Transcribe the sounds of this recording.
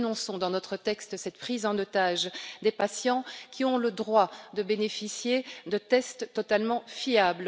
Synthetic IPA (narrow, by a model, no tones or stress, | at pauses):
nɔ̃sɔ̃d̪ɑ̃nɔt̪χət̪ɛkst̪sɛt̪pχizɑ̃nɔt̪aʒd̪epasjɑ̃kʰʲiɔ̃ləd̪ʁwad̪əbenefisjed̪ət̪ɛst̪ːɔt̪almɑ̃fiabl